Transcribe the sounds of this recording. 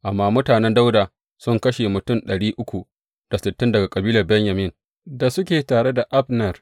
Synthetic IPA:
ʔa˨mːaː˦˨mʊ˦taː˨nɛ˦nda˦wdaː˨ | sʊ˦ŋkɐ˦ʃe˨mʊ˨tʊ˦˨nɗɐ˨ɽiː˦ʔʊ˦kʷu˨ | d̥a˨sɪ˨tːɪ˦ndɐ˨ɡa˨kʼɐ˨biː˦lɐ˨rbɛ˦ɲja˨mɪ˦ŋ | da˨sʊ˦kʲeː˨taː˨ɽe˦da˨ʔa˦ɸnɐ˨r

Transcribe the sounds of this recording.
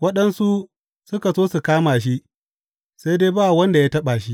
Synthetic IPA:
wɐ˦ɗɐ˦nsu˦ | sʊ˦ka˨soː˦su˨kaː˦maː˨ʃ̬i˦ʔ | sa˦jdeː˦baː˦˨wɐ˦nda˨jaː˦tɐ˦ɓaː˨ʃi˦

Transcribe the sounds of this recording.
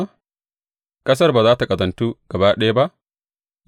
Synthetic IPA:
kʼɐ˦s̬ɐ˦rba˨zaː˦ta˨kʼɐ˨zɐ˨ntuː˦ɡ̥ɐ˨ba˦ɗɐ˦ja˦ba˦ʔ

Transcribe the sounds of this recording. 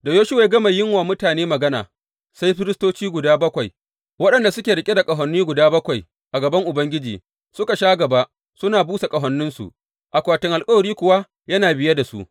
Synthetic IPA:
da˨joː˦ʃʊ˦wa˨˦ɡɐ˦ma˨jɪ˦ŋwaː˨mʊ˦taː˨neː˦mɐ˨ɡɐ˦na̰ː˨ | sa˦jɸɪ˦ɾɪ˦stoː˦t͡ʃiː˦ɡʷʊ˨daː˦bɐ˦kʷa˨j | wɐ˦ɗɐ˨nda˨sʊ˦kʲeː˨ɾɪ˨kʲʼe˦da˨kʼɐ˨ɦɔ˨nːiː˦ɡʷʊ˨daː˦bɐ˦kʷa˨j | ʔa˨ɡɐ˨bɐ˦ŋʔʊ˨bɐ˦ŋɡʲɪ˦d͡ʒiː˨ | sʊ˦ka˨ʃaː˦ɡɐ˨ba˦ | sʊ˦naː˨buː˦sa˨kʼɐ˨ɦɐ˨nːʊ˦nsṵ˨ʔ | ʔa˨kʷaː˨tɪ˨ŋʔa˨lkʼɐ˦wɐ˨ɽiː˦kʷʊ˨wa˦ | jɐ˦naː˨bɪ˨ja˦da˨sṵ˦ʔ

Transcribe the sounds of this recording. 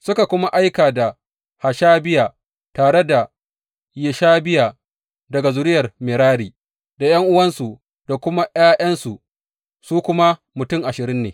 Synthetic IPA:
sʊ˦ka˨kʷʊ˦ma˦ʔa˦jkaː˨da˨ | ha˨ʃaː˦bɪ˦jaː˨ | taː˨ɽe˦da˨ | jɪ˨ʃaː˦bɪ˦jaː˨ | dɐ˨ɡa˨zʊ˨ɾɪ˦jɐ˨rmɪ˨ɾaː˦ɽiː˨ | da˨j̰ɐ˦ŋʔʊ˦wɐ˦nsu˨ | d̥a˨kʷʊ˦ma˦ʔj̰aː˦jʔɐ˦nsu˨ | suː˦kʷʊ˦ma˦ | mʊ˨tʊ˦˨ŋʔa˨ʃɪ˨ɾɪ˦nːeː˨

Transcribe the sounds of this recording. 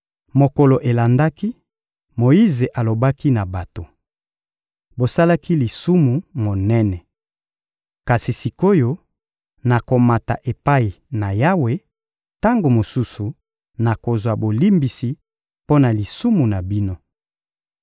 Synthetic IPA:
mo˨ko˨lo˨ʔe˨la˨nda˦ki˦ | mo˨ji˦ze˨ʔa˨lo˨ba˦ki˦na˨ba˨to˨ | bo˨sa˦la˦ki˦li˨su˦mu˨mo˨nɛ˦nɛ˨ | ka˨si˨si˨ko˦jo˦ | na˨ko˨ma˨ta̰˨ʔe˨pa˦i˨ | na˨ja˦we˨˦ | ta˦ŋɡo˨mo˨su˦su˨ | na˨ko˨zwa˨bo˨li˦mbi˨si˨ | po˦na˨li˨su˦mu˨na˨bi˦no˦

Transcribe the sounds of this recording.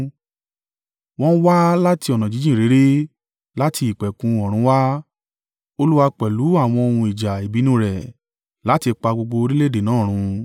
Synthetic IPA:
w̃ɔ̃˦n̩˦wa˦la˦ti˧ɔ˨nã˨d͡ʒi˨˦d͡ʒĩ˦˨ɾe˨˦ɾe˦ | la˦tʰi˧i˨k͡pɛ˨kũ˧ɔ˨ɾ̃ũ˨˧˦wa˦ | o˧lu˦wa˧k͡pɛ˨lu˨˦a˦˨w̃ɔ̃˧o˧hũ˧i˨d͡ʒa˨e˨bi˨˦nũ˦˨ɾɛ˨ | la˨˦ti˧k͡pa˧ɡ͡bo˧ɡ͡bo˧ɾi˦le˦˨de˨nãː˨˦˨ɾ̃ũ˧

